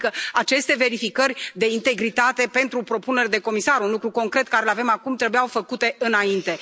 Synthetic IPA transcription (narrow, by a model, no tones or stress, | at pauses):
kəat͡ʃe̞st̪e̞ve̞ɾifikərʲd̪e̞int̪e̞ɡɾit̪at̪e̞pe̞nt̪ɾupɾo̞pune̞ɾd̪e̞ko̞misaɾunlukɾuko̞ŋkɾe̞t̪̚kaɾelave̞makumt̪ɾe̞bujawfəkut̪e̞ɨnaint̪e̞